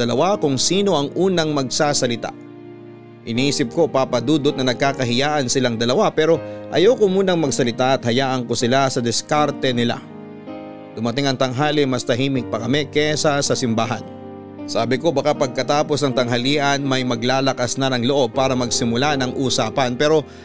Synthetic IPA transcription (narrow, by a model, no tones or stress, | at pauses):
ɐlɐwakʊŋsiːno̞ʔɐŋʔuːnɐŋmɐɡ̚saːsɐlɪt̪a̰ʔ | ʔɪniːsɪp̚ko̞papɐd̪uːd̪ot̪̚nɐnɐɡ̚kaːkɐɦɪjaːʔɐnsɪlaŋd̪ɐlɐwapɛːɾo̞ʔɐ̰jawkomuːnɐŋmɐɡsɐlɪt̪aʔɐt̪̚hɐjaːʔɐŋkosɪlasɐd̪ɛskaɾt̪ɛnɪla̰ | d̪̥ʊmɐt̪ɪŋɐŋt̪ɐŋɦaːlɪmɐst̪ɐɦiːmɪk̚pɐkɐmɛkɛsasɐsɪmbaːɦɐ̰n | saːbɪko̞bɐkapɐɡ̚kɐt̪aːpo̞snɐŋt̪ɐŋɦɐliːʔɐnmɐjmɐɡlaːlɐkasnɐnɐŋloʔo̞b̚paːɾɐmɐɡsɪmʊlanɐŋʔuːsaːpɐnpɛːɾo̞